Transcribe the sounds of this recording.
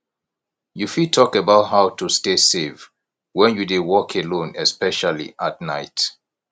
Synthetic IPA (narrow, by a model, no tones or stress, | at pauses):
jufitʰɔkəbaʊtɦaʊtʰustesev | wɛ̃njudewɔkʰəlõnɛspɛʃalḭʔatnaɪt